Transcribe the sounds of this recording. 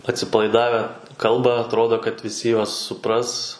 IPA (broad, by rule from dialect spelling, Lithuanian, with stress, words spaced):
ɐtʲsʲɪpɐlˠɐɪˈdɑːʋʲɛ ˈkɐlˠbɐ ɐtˈroːdoː kɐt ʋʲɪˈsʲɪ ˈjuɔs sʊˈprɐs